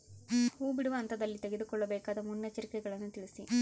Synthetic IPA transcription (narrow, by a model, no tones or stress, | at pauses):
huːbiɽuʋɐːnt̪ʰɐd̪ɐlːit̪eɡed̪ukɔɭːɐbɛːkaːd̪ɐmunjɐt͡ʃɐɾikɛɡɐɭɐnːut̪iɭisi